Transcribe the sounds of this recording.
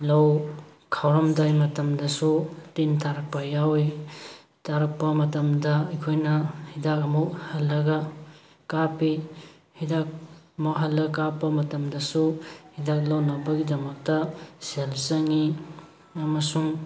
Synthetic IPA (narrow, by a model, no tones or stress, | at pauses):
lɐw | kʰawɾɐmdajmɐtɐmdɐsutintʰaɾɐk̚pɐjawi | tʰaɾɐk̚pɐmɐtɐmdɐɐjkʰojnɐhidakɐmok̚hɐlːɐɡɐ | kapi | hidak̚ɐmowɦɐlːɐkapɐmɐtɐmdɐsuhidak̚lɐwnɐbɐɡidɐmɐk̚tɐselsɐŋi | ɐmɐsuŋ